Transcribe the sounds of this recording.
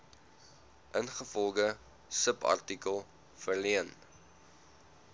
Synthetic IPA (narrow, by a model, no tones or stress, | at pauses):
ʔənχəfɔlˠɡə | səpɐ̰rtikəlˠ | fərliən